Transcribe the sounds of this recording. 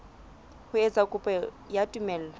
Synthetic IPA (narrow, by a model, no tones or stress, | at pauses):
hʊet͡sʼakʼʊpʼɛ | jatʼumɛːl̩la